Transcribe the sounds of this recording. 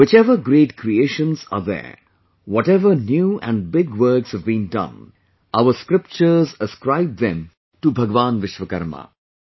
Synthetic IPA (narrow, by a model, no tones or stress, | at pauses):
ʋɪt͡ʃɛʋəɡɾeːʈkɾieːʃə̃nsa̰ːðɛ̰ː | ʋɔʈɛʋəɾnjuːæ̰̃ɳɖ̚bɪɡʋəɾkshɛʋbĩːndʌ̰̃n | aʋəɾskɾɪp̚t͡ʃəɾzəskɾaɪb̚d̪ɛ̃m | ʈubʱɐɡʋãːnʋɪʃʋəkɐ̰ɾma̰